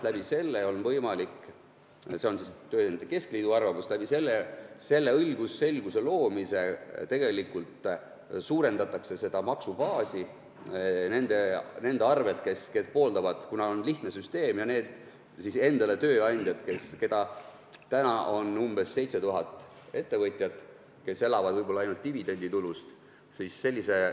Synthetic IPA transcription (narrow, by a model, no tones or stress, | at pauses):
læb̥ise̞lːeo̞lvɤjmɑlikː | se̞o̞nsist̪øːt̪ɑnd̪eke̞skliːd̪uɑrvɑmuslæb̥ise̞lːese̞lːe̞ɤlɡ̥usse̞lɡ̥uselo̞ːmise̞t̪e̞ɡ̥e̞likːˑult̪ | suːɾe̞nd̪ɑt̪ːˑɑkse̞se̞d̪̥ɑmɑksub̥ɑːsi | ne̞nd̪̥e̞ne̞nd̪̥eɑrve̞lt̪̚keske̞spo̞ːld̪ɑvɑd̪̥kunɑonliht̪nesyst̪e̞ːmjɑneːd̪̥ | sise̞nd̪̥ɑle̞t̪ø̞ːɑnʲd̪̥jɑd̪ke̞ske̞d̪̥ɑ | t̪ænɑo̞numb̥e̞sːe̞jt̪se̞t̪uɦɑt̪ːˑ | e̞t̪ːe̞vɤt̪ʲˑjɑd̪ | ke̞se̞lɑvɑd̪̥vɤjb̥olɑɑjnult̪t̪ːivid̪̥e̞nʲd̪it̪ulust̪ | sisːe̞lʲːise̞